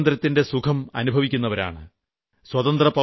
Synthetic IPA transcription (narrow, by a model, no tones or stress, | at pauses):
nd̪ɾɐt̪ːinde̞sukʰɐmɐ̰nubʱɐʋikʲːunːɐʋɐɾa̰ːɳɨ̰ | swɐt̪ɐnd̪rɐpɐ